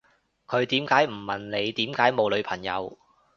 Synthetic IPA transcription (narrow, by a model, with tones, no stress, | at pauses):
kʰɵ˨˧ɥt̪iː˨˥mkaː˨˥jm̩˨˩mɐ˨nle˨˧jt̪iː˨˥mkaː˨˥jmo˨˧wlɵ˨˧ɥpʰɐ˨˩ŋjɐ̰˨˧w